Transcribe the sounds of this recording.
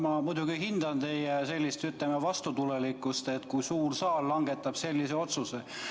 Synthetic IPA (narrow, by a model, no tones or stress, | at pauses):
mɑmujd̪̥uɡ̥ihind̪ɑnt̪e̞jjese̞lʲːist̪yt̪lemevɑst̪ut̪ulelikːˑust̪e̞t̪kujsuːrsɑːlːɑŋɡ̥e̞t̪ːˑɑb̥se̞lʲːiseo̞t̪suse